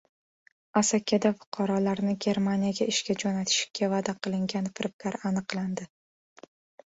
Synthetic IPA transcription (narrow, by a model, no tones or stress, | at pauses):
asakʲʰːad̪afʊ̥qʰɑɾɒlaɾnɪɡʲe̞ɾmanijaɡʲaɪʃkʲad͡ʒonat̪ʰɪ̥ʃɪ̥kʲʰːavad̪aqɨlˠɪŋɡʲanfɪɾɪp̚kʲaɾanɨqlˠand̪ɪ